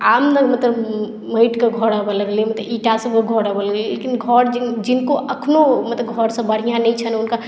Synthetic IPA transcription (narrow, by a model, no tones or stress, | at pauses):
aːmnəɡmət̪ləb | məɪʈkeɡʱɔɽabələɡlimət̪liʈasəbkəɡʱɔɽabələɡlilḛkinɡʱɔɾd͡ʒd͡ʒinkoʔəkʰnomət̪ləbɡʱɔɾsə̃bəɽ̤ijãnəĩt͡ʃʰənʊnka